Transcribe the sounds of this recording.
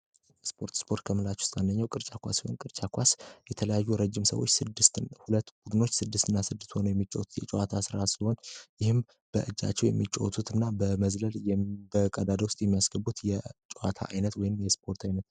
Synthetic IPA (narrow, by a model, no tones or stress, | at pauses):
jspʰo̞ɾt̪spʰo̞ɾt̪̚kʰəmɨlat͡ʃwʊ̥st̪ʼand̪əɲːawkʼɨɾt͡ʃʼakʷʰa̰siho̰nkʼɨɾt͡ʃʼakʷasjɛt̪ʰələjajːuɾəd͡ʒːɪmsə̰wot͡ʃːsɨd̪ːɨst̪hulət̪ːb̥ud̪ɨno̞t͡ʃːsɨd̪ːɨst̪ɨnːasɨd̪ːɨst̪ho̞nəwjɛmːit͡ʃʼːɛwt̪ʰu̥t̪jɛt͡ʃʼɛwat̪ʰasɨɾasiho̞njɪhɨm | b̥ə̰ʔɨd͡ʒːa̰t͡ʃːɛwjɛ̰mːit͡ʃʼowɔt̪ʰut̪ʰɨnːabəməzləljɛbəkʼəd̪ad̪əwʊst̪ʼjɛmːijasɡ̥əbːut̪jɛt͡ʃʼɛwa̰t̪ʰa̰ʔajnət̪wɔjɪnmjɛspʰo̞ɾt̪ʰajnət̪̚